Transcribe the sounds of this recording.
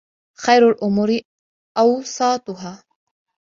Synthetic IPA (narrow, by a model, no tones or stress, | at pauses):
xajɾalʔʊmuːɾɪ | ʔɑwsˤɑːt̪ˤʊɦaː